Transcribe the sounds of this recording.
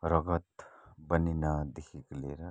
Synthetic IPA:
ɾɐɡət̪bəninad̪ekʰikleɾa

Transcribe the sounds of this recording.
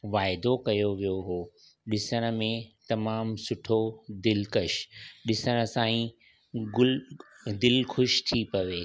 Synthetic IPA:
ʋaːɪd̪okɐjoʋijoɦoː | ɗɪsəɽ̃ə̆mẽt̪ɐmaːmsʊʈʰod̪ɪlkɐʃɗɪsəɽ̃ə̆sãːĩ | ɡʊl | d̪ɪlxʊʃt̪ʰipɐʋeː

